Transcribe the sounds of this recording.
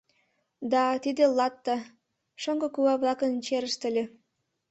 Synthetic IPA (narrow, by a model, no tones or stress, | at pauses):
d̪ɑt̪id̪ĕlˠɑt̪ːɑ | ʃoŋɡɤ̆kuɑβlˠɑkə̆nt͡ɕeɾəʃt̪ə̆lʲĕ